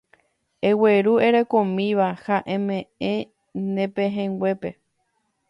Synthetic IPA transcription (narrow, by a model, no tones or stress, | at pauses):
e̞we̞ɾue̞ɾe̞kõmĩʋahaʔẽ̞mẽ̞ẽ | nẽpẽɦẽŋɡwʷe̞pe̞